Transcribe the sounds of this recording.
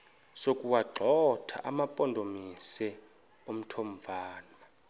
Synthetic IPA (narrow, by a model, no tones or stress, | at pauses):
sokʼuwaǃʱɔtʰa̰ʔamapʼɔndʱomisɛ | om̩tʰomvaːnwa